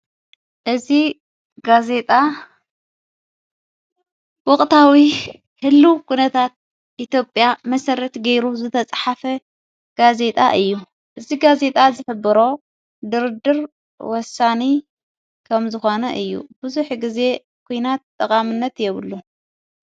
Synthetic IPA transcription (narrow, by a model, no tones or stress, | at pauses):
ʔɨzi | ɡaze̞t̪ʼa | wɔkʼt̪ʰawi | hɨlːukʰunɐt̪ʰat̪̚ | ʔit̪ʰjo̞pʼjamɐsɐɾɐt̪ɡɐjɾuzɨt̪ʰɐt͡sʼħafɐ | ɡ̥aze̞t̪ʼa̰ʔɨjːu | ʔɨziɡaze̞t̪ʼazɨħɨbɨɾo̞ | d̪ɨɾd̪ɨɾ | wɔsani | kʰɐmzɨxo̞nɐʔɨjːṵbɨzuħɡize̞ | kʰujnat̪ʼːɐkʼamɨnːɐt̪jɛβɨlːu